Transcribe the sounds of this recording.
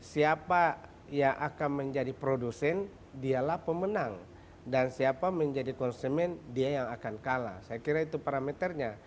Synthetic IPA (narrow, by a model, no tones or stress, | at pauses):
siapa | jaŋʔakanməɲd͡ʒadipɾodusɛn | dialahpəmənaŋ | dansiapaməɲd͡ʒadikɔnsumɛndiajaŋakankala̰sajakiɾait̪upaɾamet̪ərɲa